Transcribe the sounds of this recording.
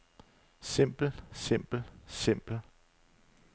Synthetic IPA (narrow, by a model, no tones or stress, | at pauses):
sem̰b̥l̩sem̰b̥l̩sem̰b̥l̩